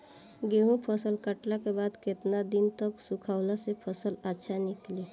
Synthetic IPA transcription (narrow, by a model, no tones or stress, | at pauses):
ɡeɦũpʰəsəlkəʈlakebaːd̪ket̪nad̪int̪əksukʰaːʊlasepʰəsələtːʃʰanɪkli